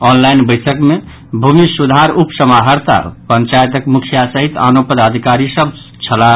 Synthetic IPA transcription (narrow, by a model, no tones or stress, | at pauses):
ɔnlajnbəjsʰəkme | bʱumisud̪ʱaɾupsəmaɦəɾt̪a̰pənt͡ʃaet̪əkmukʰijasəɦit̪a̰nopəd̪ad̪ʱikaɾisəb̚ | t͡ʃʰəla